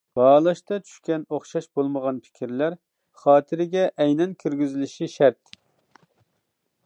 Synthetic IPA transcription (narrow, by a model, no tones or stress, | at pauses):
b̥ɑːlˠɑʃt̪ɑt͡ʃʰy̥ʃkʲɛnoχʃɑʃbolˠməʁɑnpʰɪ̥kʲʰiɾlæɾ | χɑːt̪ʰɪɾɪɡʲɛʔɛjnɛnkʲʰøɾɡʲyzɪlɪʃiʃæɾt̪